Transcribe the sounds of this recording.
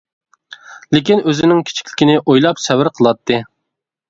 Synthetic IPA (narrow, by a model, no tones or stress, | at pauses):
lɪkʲinøzɪnɪŋkʲʰi̥t͡ʃʰi̥kʲlɪ̥kʲinɪʔojlˠɑpsɛvɪɾqʰəlˠɑt̪ʰːɨ